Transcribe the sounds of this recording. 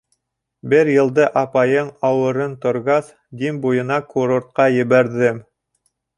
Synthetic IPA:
bɘɾjɤ̆lˠd̪ɤʔɑpɑjɤɴɑwɤ̆ɾɤnt̪ŏɾʁɑθ | d̪imbujɤ̆nɑkuɾoɾt̪̚qɑjɘ̆βæɾðɘm

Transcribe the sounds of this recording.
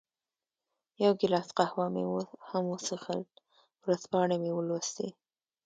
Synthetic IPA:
jawɡɪlɑsqahwɑmḛwhamwəsəxə̰lt̪ | wɾaspɑɳemewəlost̪ḛ

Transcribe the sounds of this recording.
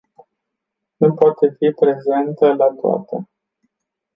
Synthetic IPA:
nupoat̪e̞fipɾe̞ze̞nt̪əlat̪oa̰t̪e

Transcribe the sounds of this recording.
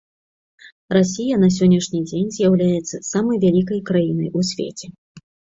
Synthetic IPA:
rasʲijɐnɐs̬ʲɔnʲːɐʂnʲid͡zʲenʲzʲjawlʲajɛt̪sːɐsamɐjvʲalʲik̬ɐjkɾajinɐjʔusʲvʲḛt͡sʲɛ

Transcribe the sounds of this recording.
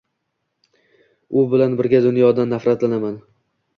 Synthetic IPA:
ʊbɪlanbɪɾɡʲad̪ʊnjɒd̪anːafɾat̪lanaman

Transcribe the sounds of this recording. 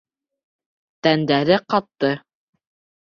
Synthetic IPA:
t̪ænd̪æɾɘqɑt̪ːɤ

